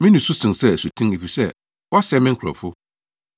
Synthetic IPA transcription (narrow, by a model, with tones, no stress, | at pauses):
mɪ̃˦nʊ̃˨su˦sɪ̃˨sɛ˦˨su˨tʰĩ˦e˨fi˨sɛ˦ | wɔ˦sɛ˦mɪ̃˦ŋ̩˦kʰʊ˨ɾɔ̰˨fʊ˦